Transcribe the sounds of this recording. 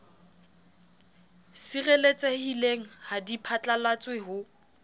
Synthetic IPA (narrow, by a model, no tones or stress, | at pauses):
sirelet͡sʼehileŋ̩hadipʰat͡ɬʼalwat͡sʼweɦʊ